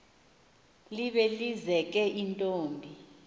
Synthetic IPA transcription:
liɓɛlizɛk̬ʼɛʔintʼoːmbʱi

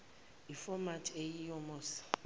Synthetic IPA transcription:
ifɔmatʰʼejijɔmɔːsḁ

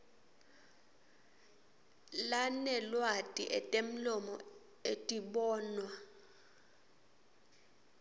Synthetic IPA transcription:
lanɛlwatʼiʔɛtʼem̩lɔmɔ | etʼiɓɔːnwa

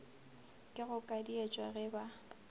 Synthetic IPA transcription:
kʼɪɣʊkʼadiet͡ʃʼwaɣɛba

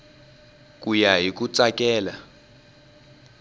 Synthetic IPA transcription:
k̬ʼujaɦik̬ut͡sʼakʼɛːla

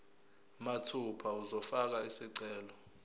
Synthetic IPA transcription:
matʰupʰauzɔfak̬aisiǀɛːlɔ

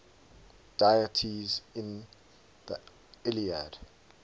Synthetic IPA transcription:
d̥ajətʰizɪ̃n | ðə̰ | ɪliad̥

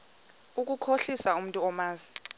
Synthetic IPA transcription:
uk̬ukʰoɬisaum̩tʼuɔmaːzi̥

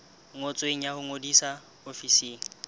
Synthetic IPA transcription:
ŋot͡sʼweŋ̩jahʊŋodisa | ofiseːŋ̩

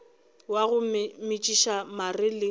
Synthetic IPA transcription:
waɣʊmɪt͡ʃʼiʃamarɪlɪ

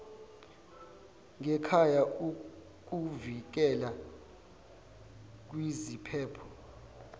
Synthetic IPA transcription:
ŋɛkʰajau | k̬uvik̬ɛla | k̬wizipʰɛːpʰɔ̥

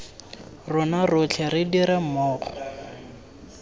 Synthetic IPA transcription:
rʊnarʊt͡ɬʰɛɾɪdiɾɪmɔːχɔ

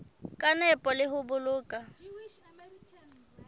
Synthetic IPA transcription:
kʼanɛpʼɔlɪɦʊbʊlʊːkʼa

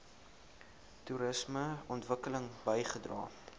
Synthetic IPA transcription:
tuɾəsməɔntvəkələŋbəjχədrɑ̰ː

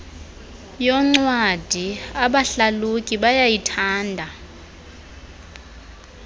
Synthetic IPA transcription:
jɔŋ͡ǀwad̥ʱiaɓaɬalukʼiɓajajitʰaːndʱa

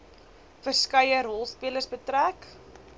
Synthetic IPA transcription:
fərskəjəɾɔlˠspiələsbətɾæk

